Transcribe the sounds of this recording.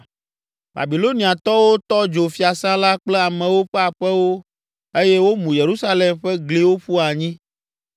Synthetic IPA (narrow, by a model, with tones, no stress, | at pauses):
ba̰˨bi˨lo˦nĩ˨a˨t̪ɔ˦wo˦t̪ɔ˦d͡ʒo˨fi˦a˨sã˦la˦k͡plɛ˦a˨mɛ̃˨wo˦ɸɛ˦a˨ɸɛ˦wo˦ | e˦jɛ˦wo˦mũ˨je˨ɾu˦sa˦le˨mɸɛ˦ɡli˦wo˦ɸu˦a˨ɲĩ˦